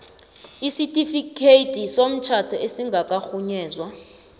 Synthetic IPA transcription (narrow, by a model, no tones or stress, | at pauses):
isitʼifikʰetʰʼisom̩t͡ʃʰatʰɔʔesiŋɡʱakʼaxuɲɛːzwa